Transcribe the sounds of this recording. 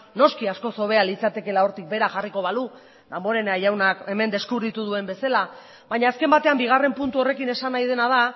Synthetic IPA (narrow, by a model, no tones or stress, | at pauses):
no̞skiasko̞so̞βe̞alit͡sat̪e̞ke̞lao̞ɾt̪ik̚be̞ɾaxariko̞β̞alu | d̪ambo̞ɾe̞naʝawnake̞me̞nd̪e̞skuβɾit̪uð̞ue̞mbe̞sala | βaɲaːske̞mbat̪e̞ambiɣ̞are̞mpunt̪uo̞re̞kine̞sanajð̞e̞nað̞a